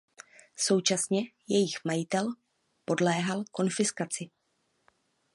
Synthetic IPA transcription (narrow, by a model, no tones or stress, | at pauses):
so̞wt͡ʃasɲɛjɛjɪxmajɪt̪ɛl | po̞dlɛːɦalko̞nfɪskat͡sɪ